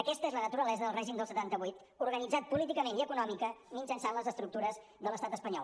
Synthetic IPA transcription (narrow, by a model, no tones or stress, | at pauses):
əkɛst̪əezlənət̪uɾəlɛzəðəlˠrɛʒimd̪əlsət̪ant̪əβujt̪ | uɾɣənid͡zat̪̚pulit̪ikəmeniəkunɔmikəminsənsanləzəst̪ɾuk̚t̪uɾəz | ðələst̪at̪əspəɲɔ̰l